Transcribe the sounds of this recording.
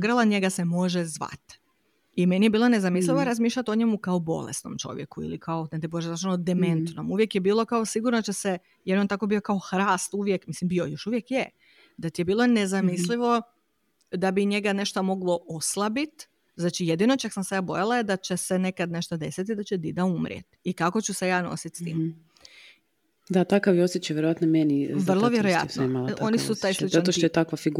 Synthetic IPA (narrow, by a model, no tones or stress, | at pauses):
ɡɾalˠaɲe̞ɡasemo̞ʒezʋa̰t̪ | imenijebiːlone̞zamisliʋoɾazmiːʃʎʲat̪oɲemukao̞bo̞̰lḛst̪no̰mt͡ʃo̞̰ʋjḛkuḭlikʰaoed̪eboʒezat͡ʃlod̪eme̞nt̪no̞muʋje̞kjebiːlˠo̞kaosiɡuɾnod̪at͡ʃese | jeɾont̪akobio̞kao̞xɾaːst̪uʋjekmislimbio̞jo̞ʃuʋjekje | d̪at̪ijebiːlˠo̞nezamisliʋo̞ | d̪abiɲe̞ɡane̞ʃt̪omo̞ɡlo̞oslˠabit̪ | znaːt͡ʃije̞d̪ino̞t͡ʃaksamsejaːbo̞jalajed̪at͡ɕesene̞kad̪ne̞ʃt̪od̪e̞sit̪id̪at͡ɕed̪id̪aumɾjḛt̪ikako̞t͡ɕuse̞jaːno̰sit̪st̪ḭːm | d̪at̪akaʋjeosjet͡ʃajʋjeɾoʋat̪nomeniʋr̩lˠoʋjeɾojja̰tsnomalo̞nisut̪aːj̪it͡ʃanoʃt̪oet̪akʋafiɡ